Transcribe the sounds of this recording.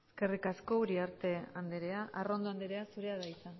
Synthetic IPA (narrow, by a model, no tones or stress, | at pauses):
eske̞rikasko̞uɾiaɾt̪e̞and̪eɾe̞aʔaro̞nd̪oand̪eɾe̞asuɾe̞aðaisan